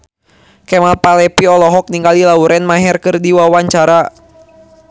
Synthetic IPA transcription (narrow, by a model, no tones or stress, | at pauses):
kɛmalpalɛpiɔlɔɦɔk̚niŋɡalilauɾɛnmaɦɛrkɨrdiwawaɲt͡ʃaɾa